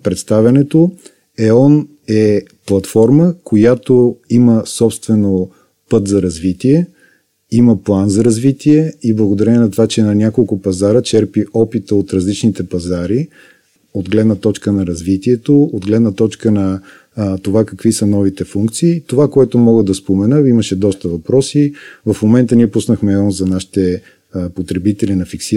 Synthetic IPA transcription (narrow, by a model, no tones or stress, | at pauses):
pɾɛt̪st̪avʲɐnɛt̪o | ɛɔn | ɛplˠɐt̪fɔɾməkʰojat̪oiməsɔpst̪vɛno | pɤt̪zɐɾɐzvit̪iɛ | iməplˠanzɐɾɐzvit̪iɛiblˠəɡod̪ɐɾɛnɛnɐt̪ovat͡ʃɛnɐnʲakolˠkʊpɐzaɾət͡ʃɛɾpiɔpit̪əot̪ɾɐzlit͡ʃnit̪ɛpɐzaɾi | od̪ɡlɛd̪nət̪ɔt͡ʃkənɐɾɐzvit̪iɛt̪ood̪ɡlɛd̪nət̪ɔt͡ʃkənɐ | t̪ovakɐkvisənɔvit̪ɛfuŋkt̪siːt̪ovakoɛt̪omɔɡəd̪ɐspomɛnəiməʃɛd̪ɔst̪əvɐpɾɔsivɐfmomɛnt̪əniɛpusnəxmɛɔnzɐnaʃi̥t̪ɛ | pot̪ɾɛbit̪ɛlinɐfiksi